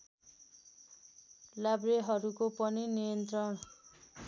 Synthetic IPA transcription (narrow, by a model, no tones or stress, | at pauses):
labreɦʌɾukopʌninijʌnt̪rʌn